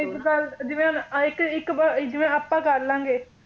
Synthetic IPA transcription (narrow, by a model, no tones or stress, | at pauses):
ɪkɡəld͡ʒɪʋẽːnɪkɪkbd͡ʒɪʋẽːapːãːkəɾlãːŋɡeː